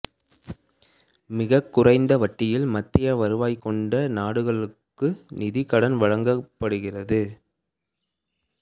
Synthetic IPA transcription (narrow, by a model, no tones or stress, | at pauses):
mɪɣɐkːʊrɐɪnd̪ɐʋɐʈːɪjɪlmɐt̪ːɪjɐʋɐɾɯʋaːjkːɔɳɖɐnaːɽɯɣɐɭɯkːɯnɪðɪkːɐɽɐnʋɐɻɐŋɡɐpːɐɽɯɣɪrɐðɯ